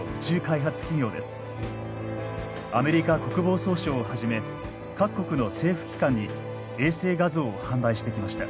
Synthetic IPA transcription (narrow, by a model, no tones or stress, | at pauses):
ɸɯ̟̥t͡ɕɨːkaiɦat͡sɨ̥kʲiɲʲo̞ːd̪e̞sɨ̥ | ame̞ɾʲikako̞kɯ̟bo̞ːso̞ːɕoːhaʑime̞ | kakːo̞kɯ̟no̞se̞ːɸɯ̟̥kʲi̥kãɲ̟ːi | e̞ːse̞ːɡazo̞ːhãmbaiɕi̥t̪e̞kʲimaɕi̥t̪a̰